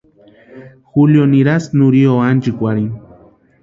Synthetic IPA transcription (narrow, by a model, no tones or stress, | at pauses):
xuljoniɾasnuɾioand͡ʒikʷaɾin